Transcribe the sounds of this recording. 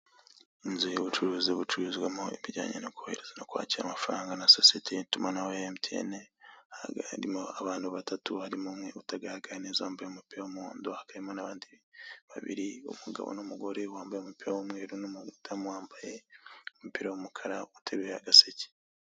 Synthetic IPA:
inzujeβut͡ʃuɾuːziβut͡ʃuɾuzβwemoiβiɟa̰ːɲḛnoku̥heɾe̞z̥anokwa̰ːciɾamafɾaːŋɡanasosietʰetumanaweemtʰiḛnehaaɾimoaβaːndiβatʰatuhaɾimomŋe̞utaɡaaɡanezaːmbajeomupiɾawomuuːndohakaɾemonaβaːndiβa̰βḭɾio̰muɡa̰βo̰nomuɡo̞ɾewaːmbajeomupiɾawomŋe̞ːɾunomtʰamwaːmbaje̞omupiɾawomukʰaɾautʰeβea̰ɡasece̥

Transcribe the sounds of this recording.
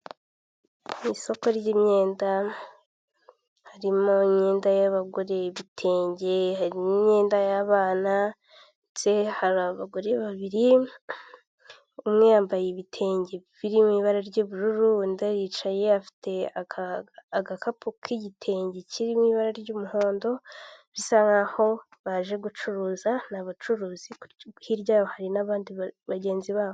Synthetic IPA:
iso̞ko̞ɾjɟimɲe̞ːnda | haɾimo̞ɲeːndajaβaɡoɾe̞βitʰe̞ːɲɟe̞haɾinoɲeːndajaβaːna | nsehaɾaβaɡoɾeβaβiɾi | umŋejaːmbajeβitʰe̞ːɲɟeβiɾimwiːβaɾaɾɟoβuɾuɾundaɾit͡ʃaje̞afi̥tʰe̞a | aɡakapʰukʰiɟitʰe̞ːɲɟecʰiɾimwiβaɾaɾjɟoːmuho̞ːndo̞βisaŋɡaho̞ | βaʒe̞ɡut͡ʃuɾuzanaβat͡ʃuɾuːzihiɾɟaːβohaɾinaβaːndiβaɟe̞ːnziβaːβo

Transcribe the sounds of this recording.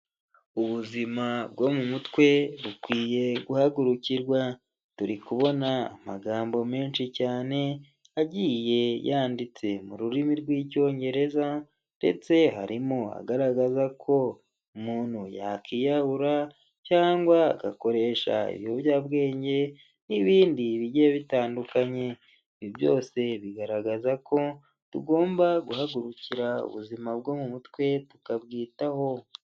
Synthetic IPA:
uβuzimabɡo̞mumutwe̞βukwiːje̞ɡuhaɡuɾuciɾɡwa | tuɾikuβo̞naa̰maɡaːmbo̞me̞ːnʃicaːne̞ | aɟiːje̞jaːndit͡se̞muɾuɾimiɾɡwiːco̞ːɲɟe̞ɾe̞za | nde̞̰t͡se̞ɦa̰ɾimoa̰ɡaɾaɡazakʰo̞ | umuːn̥huja̰kijaβuɾa | caːŋɡwaːɡa̰ko̞ɾe̞ʃa̰ḭβioβjaːbɡe̞ːɲɟe̞ | niβiːndiβiɟieβitaːndukaɲe̞ | iβjibjo̞̰ːse̞βiɡaɾaɡazakʰo̞ | tuɡo̞ːmbaɡuhaɡuɾuciɾaṵβuzimabɡo̞mumutwe̞tu̥kabɡiːtaho̞

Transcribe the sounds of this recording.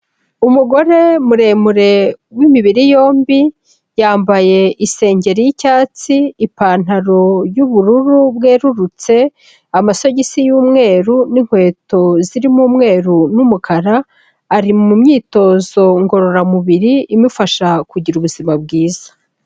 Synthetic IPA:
umuɡo̞ɾe̞muɾe̞muɾe̞wimiβiɾijo̞ːmbi | jaːmbaje̞ʔise̞ːɲɟe̞ɾijicaːt͡siːpaːn̥aɾo̞juβuɾuɾubɡe̞ːɾuɾut͡se̞ | amaso̞ɟisijuːmŋe̞ːɾuniŋ̥hwe̞ːto̞ziɾimuːmŋe̞ːɾunumukʰaɾaː | ɾimumɲiːto̞zo̞ŋɡo̞ɾo̞ɾamuβiɾiimufaʃakuɟiɾuβuzimab̚ɡiːzḁ

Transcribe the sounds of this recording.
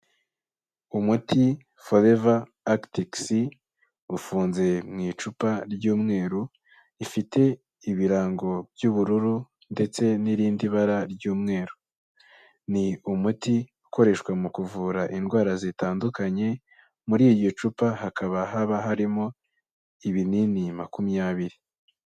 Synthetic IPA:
umutʰi | folevaː | ktiksi | ufuːnze̞mŋiːt͡ʃupaɾɟuːmŋe̞ːɾu | ifite̞ | iβiɾaːŋɡo̞bɟuːβuɾuɾu | nde̞t͡se̞niɾiːndiβaɾaɾɟuːmŋe̞ːɾu | niumutiuko̞ɾe̞ʃkwamukuvuːɾaʔinɡwaːɾazitaːndukaɲe̞ | muɾiːjot͡ʃupahakʰaβaɦaβaɦaɾimo̞ | iβininimakumijaβiɾi

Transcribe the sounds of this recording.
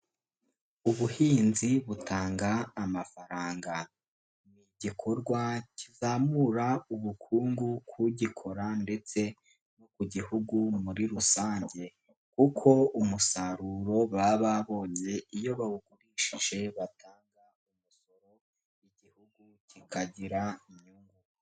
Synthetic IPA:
uβuhiːnziβutʰaːŋɡaːmafaɾaːŋɡa | niɟikʰo̞ɾɡwacizaːmuɾauβukʰuːŋɡukʰuɟikʰo̞ɾande̞t͡se̞ | nokuɟihuɡumuɾiɾusaːɲɟe̞ | k̚ukʰo̞umusaɾuɾo̞βaβaβo̞ːɲe̞ijo̞βaβuɡuɾiːʃiʒe̞βatʰaːŋɡa | umusoɾo̞ | iɟihuɡucikʰaɟiɾaiɲuŋɡu

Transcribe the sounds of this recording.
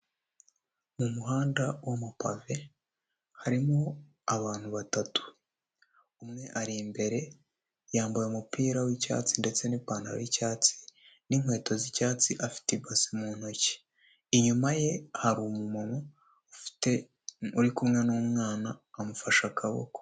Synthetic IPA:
mumuɦaːndawomupa̰ve̞ | haɾimo | aβaːn̥huβatatu̥ | umŋe̞ʔaɾimbe̞ɾe̞ | jaːmbujemupiːɾawica̰ːt͡sinde̞t͡se̞nipaːna̰ɾ̰wicaːt͡si̥ | niŋwe̞ːto̞zicaːt͡siʔafi̥tibasimuːn̥oce̥ː | ɲumaje̞haɾumumono̥ | te | uɾikumŋenuːmŋaːnaːmufaʃakʰaβo̰ko

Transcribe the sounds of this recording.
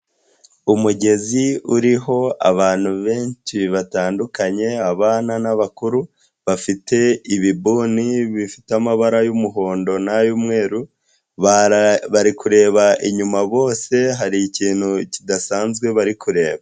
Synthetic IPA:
umuɟe̞ziuɾiɦo̞a̰βaːn̥huβe̞ːnʃiβataːndukaɲe̞aβaːnanaβakuɾu | βafite̞iβibuːniβifi̥tamaβaɾajumuɦo̞ːndo̞najumŋe̞ːɾu | βaɾikuɾe̞ːβaʔiɲumaβo̞ːse̞ɦaɾiciːn̥hucidasaːnzɡwe̞βaɾikuɾe̞ːβa

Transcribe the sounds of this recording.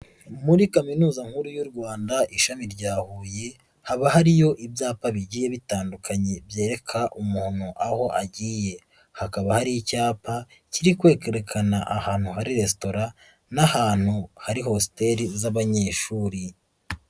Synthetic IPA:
muɾikaminuːzaŋ̥huɾujuɾɡwaːndaʔiʃamiɾɟaːhuːje̞ | haβaɦaɾijo̞ʔibjaːpaβiɟiːje̞βitaːndukʰaɲe̞bje̞ːɾe̞kʰaʔumuhonoʔaho̞ʔaɟiːje̞ | hakaβahaɾiicaːpaciɾikwe̞ːkeɾekʰanaʔahaːn̥huɦaɾiɾe̞sto̞ɾa | nahaːn̥huhaɾiho̞si̥te̞ɾizaβaɲe̞ːʃuːɾi

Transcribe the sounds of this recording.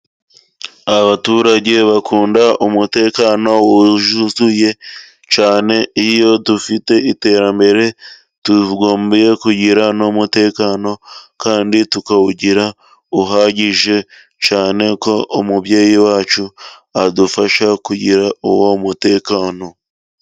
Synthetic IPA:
aβatuːɾaɟe̞βakʰuːndaumute̞ːkaːno̞wuʒuzuje̞ | t͡ʃaːne̞ijo̞tufite̞ite̞ːɾambe̞ɾe̞ | tuɡoːmbje̞kuɟiɾanomute̞ːkaːno̞kaːnditukawuɟiɾa | uɦaːɟiʒe̞ | t͡ʃaːne̞ko̞ʔomuβjeːjiwaːt͡ʃuadufaʃakuɟiɾaowo̞mute̞ːkaːno̞

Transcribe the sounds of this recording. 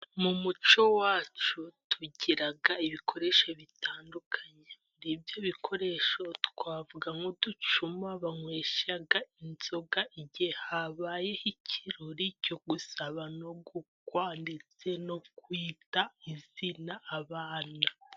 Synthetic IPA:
mumut͡ʃo̞waːt͡ʃutʰuɟiɾaɡaiβikʰo̞ɾe̞ʃo̞βitʰaːndukʰaɲe̞muɾibjo̞βikʰo̞ɾe̞ʃo̞tkwaːvuɡaŋɡodut͡ʃumaβaŋweːʃaɡainz̥o̞ɡaiɟehaβaːje̞hicʰiɾoɾico̞ɡusaβano̞ɡukwaːndet͡se̞no̞kwiːtaizinaʔːβaːna

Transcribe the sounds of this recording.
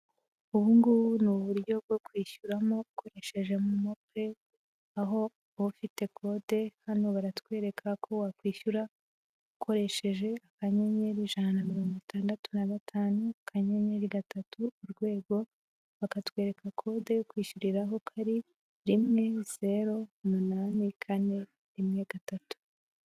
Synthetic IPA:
uβuːŋɡunuβuɾjo̞b̚ɡo̞kwiːʃuɾamoukʰo̞ɾe̞ʃe̞ʒe̞mumope̞ | aɦo̞ | βufite̞kʰo̞de̞hano̞βaɾatkwe̞ːɾe̞kʰakʰo̞wakwiːʃuɾa | ukʰo̞ɾe̞ʃe̞ʒe̞akaɲe̞ɲe̞ɾiʒanamiɾo̞ːŋɡitʰaːndatunaɡatʰaːnukʰaɲe̞ɲe̞ɾiɡatatuːɾɡwe̞ːɡo̞ | βakatkwe̞ːɾe̞kakʰo̞de̞jokwiːʃuɾiɾaɦo̞kʰaɾi | ɾimŋe̞z̥e̞ɾo̞munanikʰane̞ | ɾimŋe̞ɡ̥atatu̥

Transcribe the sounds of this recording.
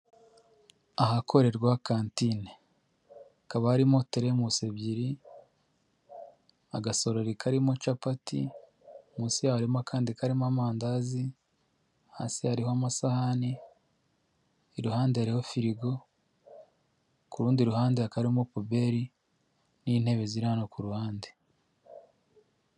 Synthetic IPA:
aɦakʰo̞ɾe̞ɾɡwakaːntine | akaβahaɾimo̞teɾemuse̞bɟiɾi | a̰ɡaso̞ɾe̞ɾikʰaɾimot͡ʃapatḭ | muːsijahaɾimokʰaːndikaɾimoamaːndazi | ha̰ːsihaɾihoamasahani | ɾuhaːndehaɾiho̞fiɾiɡo̞ | kuɾuːndiɾuhaːndeakaɾimopobe̞ɾi | nin̥he̞βe̞ziɾanokuɾuhaːnde

